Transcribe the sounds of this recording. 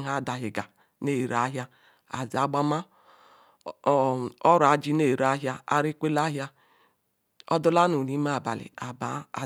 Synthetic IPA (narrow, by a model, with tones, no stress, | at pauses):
ɦa˦˨da˨ɦi˨ɡa˨ | ne˦˨ɾa˦ɦja˦ | a̰˨zi˨a˦ɡ͡ba˦ma˦ | ɔ˦ɾa˨d͡ʒi˦ne˦˨ɾa˦ɦja˦a˦ɾi˦kʷe˦la˦ɦja˦ | ɔ˦du˦la˦nu˨ni˦ma˦˨ba˨lḭ˨a˨ba˨˦˨